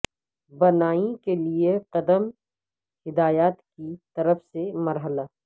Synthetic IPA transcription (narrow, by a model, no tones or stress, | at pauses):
bɐnaːĩkelieqɐd̪əm | hɪd̪aːjaːt̪kit̪ɐɾəfsemɐɾɦəlaː